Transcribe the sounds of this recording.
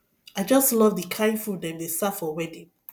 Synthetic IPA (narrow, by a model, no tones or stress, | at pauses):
aɪd͡ʒɔstlɔvdəkʰãɪ̃ndfudɛ̃mdestafɔwɛdĩn